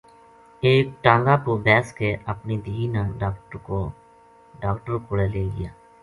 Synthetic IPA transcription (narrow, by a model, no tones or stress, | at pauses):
eːk̚ʈãːŋɡaːpuːbɛːskeːʔəpniːd̪iːiːnãːɖaːkʈəɾkoː | ɖaːkʈəɾkoːɽeːleːɡɪ̰jaː